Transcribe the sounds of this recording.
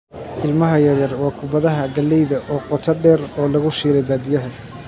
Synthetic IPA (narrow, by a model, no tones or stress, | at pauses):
ʔɪlmɐɦɐjɐɾjɐrwɑːkʰʊbɐðɐɦɐɡɐlːɛjðɐʔɔːqɔt̪ʰɐɖɛːrɔːlɐɣʊʃiːɾɛjbaːd̪ɪjɐɦɛ